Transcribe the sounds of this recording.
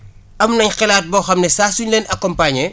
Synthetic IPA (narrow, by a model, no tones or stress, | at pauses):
ɐmnɐɲxɛlaːt̚bɔxɐmnɛsaːsuɲleːnʔɐkɔmpaɲɛ